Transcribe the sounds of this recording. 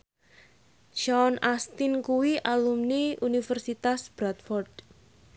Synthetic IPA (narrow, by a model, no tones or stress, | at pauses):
d͡ʒɔnast̪inkuwiʔalumniunifɛrsit̪asb̥ɾat̪̚fɔrd̥